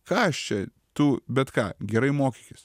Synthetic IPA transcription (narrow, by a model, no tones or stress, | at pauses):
kɑːɐʃt͡ʃʲɛ | t̪uːbʲɛt̪kɑ̰ːɡʲɛɾɐɪmoːkʲikʲɪs